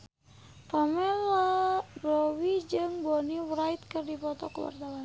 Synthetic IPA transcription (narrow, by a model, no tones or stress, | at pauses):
tɔmɛlarowid͡ʒɨŋboniwɾait̪̚kɨrdipɔt̪ɔkəwa̰rt̪awan